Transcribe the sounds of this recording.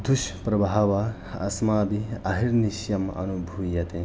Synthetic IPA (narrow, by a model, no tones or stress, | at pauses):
d̪ʱuʃpɾɐbʱaɐʋɐ | ɐ̰smaːbiɐɦiɾniʃjɐmɐ̰nubʱuːjɐt̪e